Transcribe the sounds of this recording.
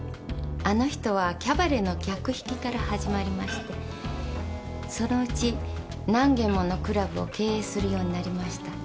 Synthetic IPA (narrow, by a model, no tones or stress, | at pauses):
ano̞çi̥t̪o̞βakʲabaɾeno̞kʲakɯ̟çi̥kʲikaɾahaʑimaɾʲimaɕi̥t̪e̞ | so̞no̞ɯ̟t͡ɕi | nãŋɡẽ̞mːo̞no̞kɯ̟ɾabɯ̟o̞̰ke̞ːeːsɨɾɯ̟jo̞ːɲ̟inaɾʲimaɕi̥t̪a